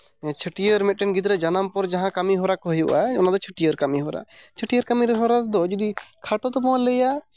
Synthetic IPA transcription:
t͡ʃʰəʈijəɾmɛt̪̚ʈɛnɡit̪̬ɾɛd͡ʒanampɔɾd͡ʒaɦãkamiɦɔɾakɔɦjuʔaɔnad̪ɔt͡ʃʰəʈijəɾkamiɦɔɾa̰t͡ʃʰəʈijəɾkamiɾɛɦɔɾad̪ɔd͡ʒɔd̪ikʰaʈɔt̪ɔpɔwãləja

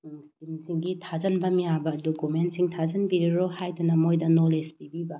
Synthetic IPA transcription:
ŋskimsiŋɡitʰazɐnbɐmijabɐdokumentsiŋtʰazɐnbiɾiɾohajdunɐmojdɐnolespibibɐ

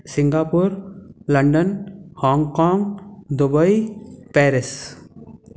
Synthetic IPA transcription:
sɪŋɡaːpuɾləɳɖənhɔ̃ːŋkãːŋɡd̪ubəipɛːɾes

